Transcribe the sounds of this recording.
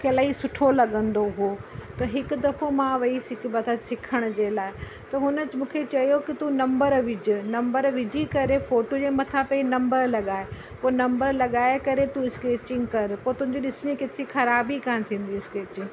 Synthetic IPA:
kʰelaːisʊʈʰolɐɠə̃nd̪oɦot̪ɐɦɪkʊ̆d̪ɐfomãʋɐisɪkʰɪbɐt̪ʰəsɪkʰəɽ̃ʊ̆d͡ʑeːlaːɪ | t̪ɐɦʊnə̆t͡ɕmũːkʰet͡ɕɐjokɪt̪unɐ̃mbəɾʋɪd͡ʑɪ̆nɐ̃mbəɾʋɪd͡ʑʱikɐɾefoːʈod͡ʑeːmɐt̪ʰapɐinɐ̃mbəɾlɐɠaːe | poːnɐ̃mbəɾlɐɠaːekɐɾet̪uɪskeːt͡ɕɪ̃ŋɡkɐɾpoːt̪ʊ̃ɦɪ̃ɲd͡ʑiɗɪsɪɽ̃ĩkɪt̪ʰexʰɐɾaːbikãːɪ̃t̪ʰĩːn̆d̪iɪskeːt͡ɕɪ̃ŋɡ

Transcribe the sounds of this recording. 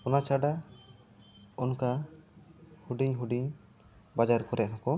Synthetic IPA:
ɔnat͡ʃaɖa | ɔnka | huɖiɲɦuɖiɲ | bad͡ʒaɾkɔɾɛʔ̚nakɔ

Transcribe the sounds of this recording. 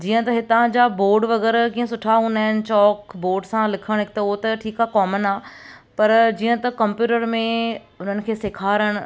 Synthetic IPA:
d͡ʑiːə̃t̪ɐɦɪt̪ãd͡ʑaboːɾɖʋɐɣɛːɾkiːə̃sʊʈʰaɦũːnd̪aːɦɪnɪ̆t͡ɕɔːkboːɾɖsãlɪkʰəɽ̃ɦɪkt̪ɐʊɦot̪ɐʈʰiːkakɔːmənaːpɐɾd͡ʑiːə̃t̪ɐkɐ̃mpjuːʈəɾmẽ | ʊn̤ənɪ̆kʰeːsekʰaːɾəɽ̃ʊ

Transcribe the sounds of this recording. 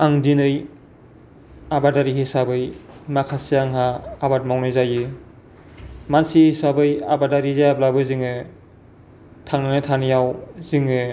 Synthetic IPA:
aŋdinɯj | abadaɾihisabɯjmakʰasiaŋɦaːbat̚mawnɯjzajɯ | mansihisabɯja̰badaɾizajablabɯziŋɯ | tʰaŋnanɯtʰanijawziŋɯ

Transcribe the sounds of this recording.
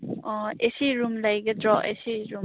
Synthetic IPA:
ɔesiɾumlajɡɐdɾɔʔesiɾum

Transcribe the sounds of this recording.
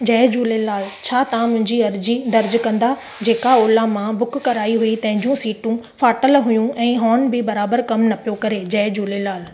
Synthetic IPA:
d͡ʑɐːd͡ʑuːlelaːlt͡ɕʰaːt̪ɐãmʊ̃ɦɪ̃ɲd͡ʑiɐɾd͡ʑid̪ɐɾd͡ʑkɐ̃nd̪a | d͡ʑeːkaoːlamãbʊkkɐɾaːiɦuit̪ɐ̃ɦɪ̃ɲd͡ʑũsiːʈũfaːʈəlɦʊjũɛ̃ːɦɔːnbɪbɐɾaːbəɾkɐmnɐpijokɐɾed͡ʑɐːd͡ʑuːlelaːl

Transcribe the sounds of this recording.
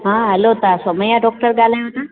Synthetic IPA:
ɦãɦɐlot̪asomɐ̃jaɖɔːk̚ʈəɾɠaːl̤aːjõt̪ʰãː

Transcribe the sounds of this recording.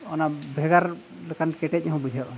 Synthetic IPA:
ɔnabʱɛɡaɾlɛkankɛʈɛt̚ɲaɦɔ̃bud͡ʒʱaʔ

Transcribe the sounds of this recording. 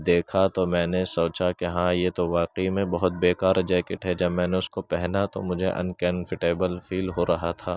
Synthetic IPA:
d̪eːkʰat̪omɛ̃ːnesoːt͡ʃakeɦãːjeːt̪oʋaːqeimẽbɐɦʊt̪̚beːkaːɾd͡ʒɛːkɪʈɦɛd͡ʒɐbmɛ̃ːneʊskopɛɦnat̪o̰mʊd͡ʒʱeʔɐ̰̃nkɛ̃nfɪʈeːbəlfʰiːlɦoɾɐɦat̪ʰaː

